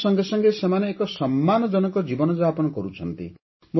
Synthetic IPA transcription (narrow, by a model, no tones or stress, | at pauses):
sɔŋɡesɔŋɡesemaneekɔsɔmːanɔd͡ʒɔnɔkɔd͡ʒibɔnɔd͡ʒapɔnɔkɔɾut͡ʃʰɔnt̪ḭ | mo